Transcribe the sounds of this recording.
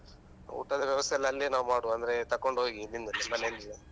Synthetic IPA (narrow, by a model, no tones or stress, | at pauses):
ṵːʈːɐd̪ɐʋjɐʋɐst̪ʰɛlːɐlːinaːʋumaːɽuɐnd̪ɐɾe̞t̪ɐkːo̞ɳɖɦoːɡiːlːind̪unimːɐnend̪i